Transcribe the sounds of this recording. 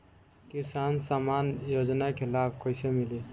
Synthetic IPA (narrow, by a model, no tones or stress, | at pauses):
kisansamanjod͡ʒnakʰelapʰkoɪsemili